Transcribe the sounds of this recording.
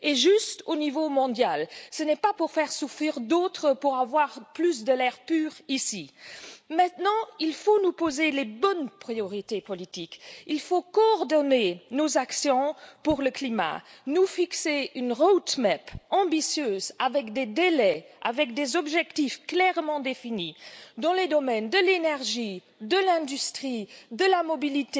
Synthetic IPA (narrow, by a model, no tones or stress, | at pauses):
eʒyst̪onivomɔ̃d̪jalsənɛpapuʁfɛʁsufχiʁd̪ot̪χəpuʁavwaʁplys̬d̪əlɛʁpyːʁisimɛ̃t̪nɑ̃ilfonupozelebɔnpχijɔʁit̪epɔlit̪ikilfokɔːʁd̪ɔnenozaksjɔ̃puʁləklima̰nufikseynʁod̪mɛpɑ̃bisjøzavɛkd̪ed̪elɛa̰vɛk̚d̪ezɔbʒɛkt̪ifklɛʁmɑ̃d̪efinid̪ɑ̃led̪ɔmɛnd̪əlenɛʁʒi | d̪əlɛ̃d̪yst̪χid̪əlamɔbilit̪e